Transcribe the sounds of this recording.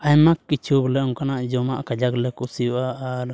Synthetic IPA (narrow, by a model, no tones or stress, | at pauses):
ajmakːit͡ʃublɛŋkanaʔd͡ʒɔmaʔkad͡ʒaklɛkusiaːɾ